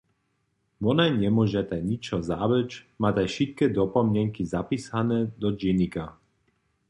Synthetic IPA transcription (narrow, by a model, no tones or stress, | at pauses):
ʋɔnaɲɛmʊɔʒat̪ajɲit͡ʃɔzaʋɛt͡ʃmaːt̪ajʃit̪̚kɛd̪ɔpɔmɲɛŋkizapiːsanɛd̪ɔd͡ʒinika